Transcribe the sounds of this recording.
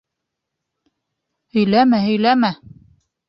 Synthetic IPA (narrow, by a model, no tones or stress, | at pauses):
hɵ̆jlæmæhɵ̆jlæmæ